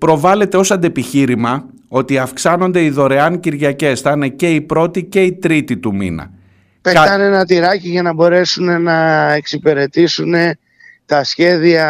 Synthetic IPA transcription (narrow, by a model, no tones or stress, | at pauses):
pɾo̞vɐle̞t̪e̞o̞sɐnd̪e̞piçiɾimɐ | o̞t̪iɐfksɐno̞nd̪e̞iðo̞ɾe̞ɐŋciɾʝɐce̞sθɐne̞ce̞ipɾo̞t̪ice̞it̪ɾit̪it̪umḭnɐ̰ | peɐɐne̞nɐt̪iɾɐciʝɐnɐbo̞ɾe̞sune̞nɐe̞ksipe̞ɾe̞t̪isune̞ | t̪ɐsçe̞ðiɐ